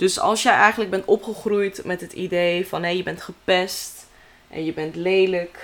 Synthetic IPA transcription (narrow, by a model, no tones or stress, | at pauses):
d̥ɵsɑ̰lˠsjəjʔɛjχənləɡ̚bɛntɔpχəχrujtmɛtɦətḭdejfɑnɦejəbɛntχəpɛst | ʔɛ̰njəbɛntlejlək